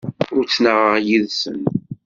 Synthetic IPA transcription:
ʊɾt͡sːnəʁəʁjiðsə̰n

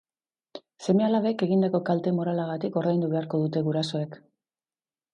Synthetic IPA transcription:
se̞mealaβeke̞ɣind̪ako̞kalt̪e̞mo̞ɾalaɣ̞at̪iko̞ɾðajnd̪uβe̞aɾko̞ð̞ut̪e̞ɣuɾaso̞e̞k

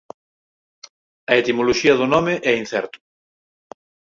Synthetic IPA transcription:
ɐet̪imoloʃiɐðʊnɔmeʔɛin̟θɛ̰ɾt̪ʊ̥

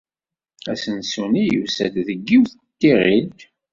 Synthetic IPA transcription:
æsənsunijṵsæd̪ðəɡːiwθ | t̪ːiʁit̪

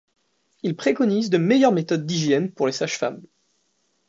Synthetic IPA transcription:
ilpχekɔnizd̪əmejœʁmet̪ɔd̪ːiʒjɛnpuʁlesaʃfam

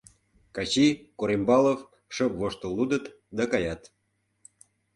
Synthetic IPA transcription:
kɑt͡ɕikoɾembɑlof | ʃokvoʃt̪olud̪ət̪ | d̪ɑkɑjɑt̪

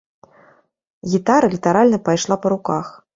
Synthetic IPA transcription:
ɣʲit̪aɾɐlʲit̪aɾalʲnɐpajʂlˠapɐɾukax

